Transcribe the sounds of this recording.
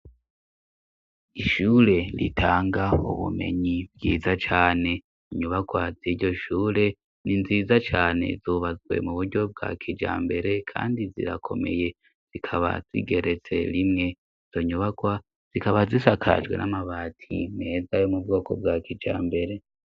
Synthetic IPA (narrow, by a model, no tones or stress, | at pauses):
iʃuːɾe̞ɾḭtʰaːŋɡaṵβṵme̞̰ɲib̚ɡḭːzat͡ʃaːne̞ | iɲuβaɡwaziɾɟo̞ʃuːɾe̞ | ninziːzat͡ʃaːne̞̰zuβazwe̞̰muβuɾɟo̞b̚ɡa̰kʰid͡ʒa̰ːmbe̞ɾe̞kʰa̰ːndizḭɾa̰kʰo̞me̞̰je̞ | z̥ikʰaβa̰z̥ḭɡe̞ɾet͡se̞̰ɾimŋe̞ | iz̥oɲuβaɡwa | z̥ikaβazisakʰa̰d͡ʒɡwe̞̰namaβaːtʰḭme̞zajo̞mub̚ɡo̞ːko̞̰b̚ɡakid͡ʒa̰ːmbe̞ɾe̞